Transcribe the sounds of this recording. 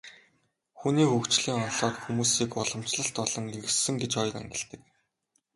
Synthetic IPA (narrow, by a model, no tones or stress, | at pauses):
xuniːxukt͡ɕɮiːŋɔnɮɔːt̪xumuːsiːkʊɮɞ̆m̥t͡ɕɮə̆ɬt̪ɔɮɞ̆ŋiɾɘ̆sɘ̆ŋɡet͡ɕɔj̆kæ̰ŋɡʲɪ̆ɬt̪ɘ̆k̚